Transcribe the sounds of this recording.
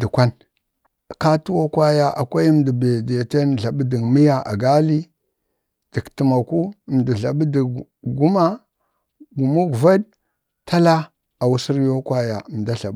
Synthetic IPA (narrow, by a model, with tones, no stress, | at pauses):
di˨kʷa˦n | ka˦tu˦wo˦kwa˦ja˨ʔa˨kʷa˦jm˨di˨be˨de˨te˦n˨ɮa˨ɓdi˨mi˦ja˦ʔa̰˨ɡa˦li˦ | d̥i˨kti˨ma˨ku˦˨m˨di˨ɮa˨ɓdi˨ | ɡu˦ma˦ | ɡu˨mu˦kva˦d | ta˦la˦ | a˨wu˦si˦ɾjo˦kwa˦ja˨m˨da˦ɬa˨b